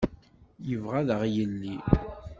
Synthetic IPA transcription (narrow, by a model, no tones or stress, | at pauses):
jəvʁæðəʁjəlːi